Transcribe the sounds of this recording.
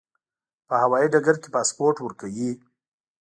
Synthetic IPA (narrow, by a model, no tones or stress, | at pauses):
pəhawɑjiɖaɡaɾkepɑspoɾʈwəɾkawi